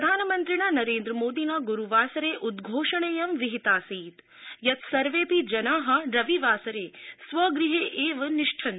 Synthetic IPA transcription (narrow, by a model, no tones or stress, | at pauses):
pɾɐd̪ʱaːnɐmɐnt̪ɾiɳaːnɐɾeːnd̪ɾɐmoːd̪iːnaːɡuɾuʋaːsɐɾeːʔud̪ɡʱoːʂɐɳeːjɐmʋiɦit̪aːsiːt̪ | jɐt̪sɐɾʋeːpid͡ʒɐnaːɦɐ̆ɾɐʋiʋaːsɐɾeːsʋɐɡɾiɦeːʔeːʋɐniʂʈʰɐn